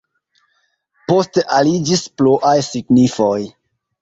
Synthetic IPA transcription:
po̞steʔalid͡ʒispluʔajsiɡnifo̞j

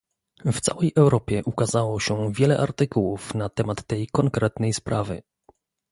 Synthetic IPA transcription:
ft̪sa̰wɛjʔɛwɾɔpʲjɛʔukazawɔɕɛvʲjɛlɛʔa̰ɾt̪ɘkuwufnat̪ɛmat̪ːɛjkɔŋkɾɛt̪nɛjspɾʔavɘ̰

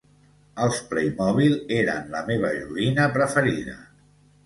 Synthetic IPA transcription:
əlˠsplejmɔβ̞ileɾə̰nləmeβ̞əʎuinəpɾəfəɾiðə̰

